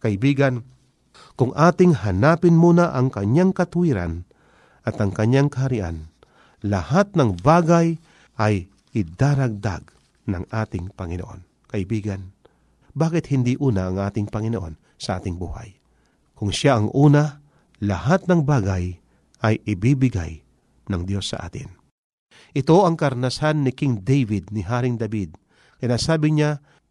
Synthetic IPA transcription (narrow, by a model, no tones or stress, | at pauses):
kɐʔɪbiːɡɐn | kʊŋʔaːt̪ɪŋhanaːpɪnmuːnaʔɐŋkɐɲaŋkɐt̪ʊhiːɾa̰n | ʔɐt̪ɐŋkɐɲːaŋkɐhɐɾɪʔa̰n | lɐhat̪̚nɐŋbaːɡaj | ʔɐj | ʔɪd̪aːɾɐɡ̚d̪a̰ɡ | nɐŋʔaːt̪ɪŋpɐŋɪno̰ʔo̰n | kɐʔɪbiːɡan | baːkɪt̪̚hɪnd̪iʔuːnɐʔɐŋʔaːt̪ɪŋpɐŋɪnoʔo̞n | sɐʔa̰ːt̪ɪŋbuːha̰j | kʊŋʃaʔɐŋʔuːnɐ | lɐhat̪̚nɐŋbaːɡaj | ʔɐjʔɪbibɪɡa̰j | nɐŋd̪jo̞sːɐ̰ʔa̰ːt̪ɪ̰n | ʔɪt̪o̞ʔɐŋkɐɾnɐsanːɪkɪŋd̪ɛjvɪd̪̚nɪɦaːɾɪŋd̪ɐbid̪̚ | sɪnaːsaːbɪɲa